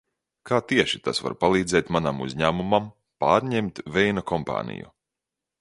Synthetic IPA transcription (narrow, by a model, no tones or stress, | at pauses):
kaːt̪iɛʃit̪asva̰ɾpalˠiːd̪zɛːt̪manamṵzʲɲæːmumam | paːɾɲemt̪vɛjnakɔmpa̰ːnḭjṵ